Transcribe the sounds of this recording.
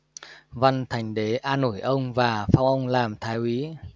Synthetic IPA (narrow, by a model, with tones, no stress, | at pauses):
va˧nt̪ʰa˨˩jŋ̟ɗe˨˦ʔaː˧no˧˩jʔə˧wŋ͡mvaː˨˩fa˧˦wŋ͡mʔə˧wŋ͡mlaː˨˩mt̪ʰaː˨˦jʔwi˨˦